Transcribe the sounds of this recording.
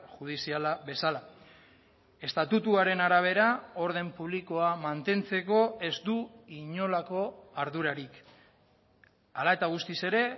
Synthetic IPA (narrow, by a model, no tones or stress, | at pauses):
ʝuð̞isialaβe̞sala | e̞st̪at̪ut̪uaɾe̞naɾaβ̞e̞ɾao̞ɾð̞e̞mpuβ̞liko̞amant̪e̞nt͡se̞ko̞e̞zd̪uiɲo̞lako̞aɾðuɾaɾik | alae̞t̪aɣ̞ust̪ise̞ɾe̞